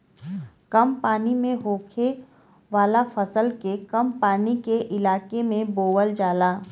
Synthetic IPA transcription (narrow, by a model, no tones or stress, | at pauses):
kɐmpaːnimẽɦoːkʰe | ʋaːlafɐsəlkekɐmpaːnikeʔɪlaːkemẽboːwəld͡ʒaːlaː